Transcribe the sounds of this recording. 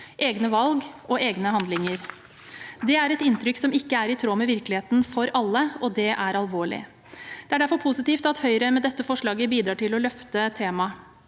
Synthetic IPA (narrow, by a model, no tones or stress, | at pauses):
ʔeːɡnəʋɑlɡʔɔʔeːɡnəɦɑnd̪lɪŋəɾ | d̪ɛæɾɛt̪ɪnt̪ɾʏksɔmɪkːəæɾɪt̪ʰɾoːmɛʋɪɾklɪheːt̪n̩fɔɾʔɑlːəɔd̪ɛʔæɾɑlʋoːɭɪ̰ | d̪̥ɛæɖæɾfɔɾpʰʊsɪt̪iːft̪ɑt̪hœʏɾəmɛd̪ɛt̪ːəfɔʂɭɑːɡəbiːd̪ɾɑːʈɪlɔlœft̪ət̪ʰeːmɑ